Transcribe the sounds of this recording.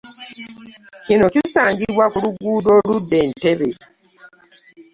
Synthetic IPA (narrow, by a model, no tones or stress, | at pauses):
cino̞kisaːɲɟiβwakuluɡuːdo̞ːludːe̞ːnte̞βe